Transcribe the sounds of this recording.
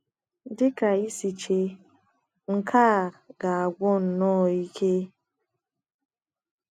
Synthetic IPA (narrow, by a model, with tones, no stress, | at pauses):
dɪ˦ka˨i˦si˨t͡ʃe˨ | ŋ̩˨kʰaː˦˨ɡa˨a˨ɡʷɔ˦n̩˨nɔ˦˨i˦kʰe˦